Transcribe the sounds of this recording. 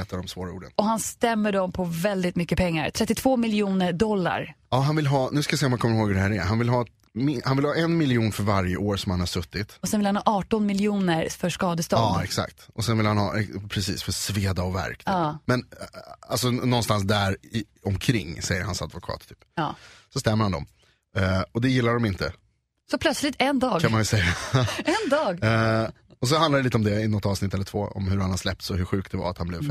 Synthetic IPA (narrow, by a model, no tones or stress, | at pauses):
ɛːt̪ad̪ɔmsvoːɾaṵːɖənɔhanst̪ɛmːəɖɔmpʰɔvɛld̪ɪt̪mʏkːəpʰɛŋːa̰ɾt̪ʰɾɛt̪ːɪt̪ʰv̥oːmɪljuːnəɖɔlːa̰ɾɑːɦanvɪlɦɑːnʉ̟skajasɛːɔmankʰɔmːɾhoːɡhɵɖɛɦæːɾɛɦanvɪlɦɑː | mɪhanvɪlhɑːʔɛnmɪlɪuːnfœɾvaɾjəʔoːɾsɔmhanhaʂɵt̪ːɪt̪ɔsɛnvɪlhanhɑːʔɑːʈɔnmɪljuːnəɾfœʂkɑːd̪əst̪ɑɑːɛksa̰kt̪ɔsɛnvɪlhanhɑ̰ːɛpʰɾɛsḭːsfœsveːd̪aɔvæ̰ɾkt̪ːmɛna̰lsɔnɔnːst̪ans̬d̪æɾɪ | ɔmkʰɾɪŋːsɛjːəɾhansa̰d̪vʊkʰɑ̰ːt̪t̪ʰyːpːsɔst̪ɛmːəɾhand̪ɔ̰m | ɔd̪ɛjɪlːaɖɔmɪnt̪ə | sɔpʰlœt̪slɪt̪ɛnd̪ɑːɡkʰːanmanjʉsɛjaɛnd̪ɑːɡ | ɔs̬ɔhanaɖ̪ɛlit̪əɔmd̪ɛɪnɔt̪ːɑːvsnɪt̪ːɛlːəʈ̪ʰvo̰ːɔ̰mɦɵɾhanhad̪slɛp̚t̪sɔɦɵɧʉ̟ːk̚t̪̚d̪ɛva̰ɾat̪hanblɛv